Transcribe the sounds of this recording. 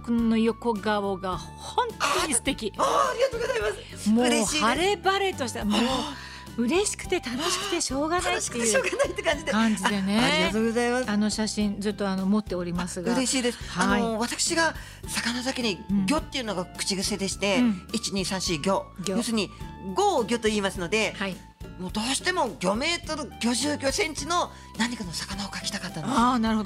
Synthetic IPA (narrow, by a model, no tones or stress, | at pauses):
kɯnnːo̞jo̞ko̞ɡaoɡa | hõ̞nt̪oɲ̟isɨ̥t̪e̞kʲiaːɾʲiɡat̪oːɡozaimasɨ | moɾehːaɾe̞baɾe̞t̪o̞ɕi̥t̪amoː | ɯ̟ɾe̞ɕi̥kɯ̟̥t̪e̞t̪ano̞ɕi̥kɯ̟̥t̪e̞ɕo̞ːɡanait̪ːeeɯoːɡanait̪ːekãɲ̟d͡ʑid̪ekãɲd͡ʑid̪e̞ne̞ɾiɡat̪oːɡozaimasano̞ɕaɕĩnd͡zɨt̪ːo̞ano̞mo̞t̪ːe̞o̞ɾʲimasɨɡɯɾe̞ɕiːd̪esɨ̥haaoiβat̪akɯ̟̥ɕiɡa | sakanazakʲiɲ̟iɡʲo̞t̪ːe̞iɯ̟noɡakɯ̟̥t͡ɕiɡɯ̟se̞d̪e̞ɕi̥t̪e̞it͡ɕiɲ̟iːsãɰ̃ɕiɡʲo̞ɡʲojosɨɲ̟iɡo̞ːɡʲo̞t̪o̞iːmasɨno̞d̪e̞hai | moːd̪o̞ːɕi̥t̪e̞mo̞ɡʲo̞me̞ːt̪oɡ̥ʲo̞ʑɨːɡʲo̞sẽ̞ɲ̟t͡ɕino̞ | naɲ̟ikano̞sḁkanao̞kakʲi̥t̪akat̪ːanoaːnaɾɯ̟hod̪o